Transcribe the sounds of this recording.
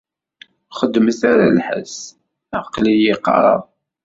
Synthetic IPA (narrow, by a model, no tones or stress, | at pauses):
χəd̪ːməθaɾalħə̰s | ɑqlijɪqːɑ̰ɾˤɑ̰ðˤ